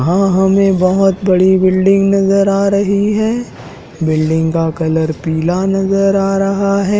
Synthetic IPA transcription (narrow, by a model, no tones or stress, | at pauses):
ɦãɦɐmẽbɐɦʊt̪bɐɽibɪlɖɪ̃ŋɡnɐzəɾaːɾɐɦiɦɛː | bɪlɖɪ̃ŋɡkakɐləɾpiːlanɐzəɾaːɾɐɦaɦɛː